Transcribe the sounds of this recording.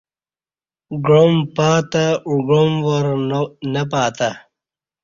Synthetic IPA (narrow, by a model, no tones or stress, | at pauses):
ɡɻompaːt̪auɡomwɐɾnɐp̬aːt̪a